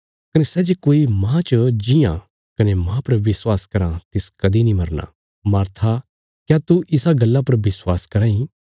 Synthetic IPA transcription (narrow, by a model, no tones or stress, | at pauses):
kɐnesɛːd͡ʒekoːimãt͡ʃəd͡ʒɪjã̰ | kɐnemãːpɐɾʋɪswaːskɐɾãt̪ɪskɐd̪inĩmɐɾna̰ | maːɾt̪ʰa | kjat̪uʔɪsaɡɐlːap̬ɐɾʋɪswaːskɐɾaːĩ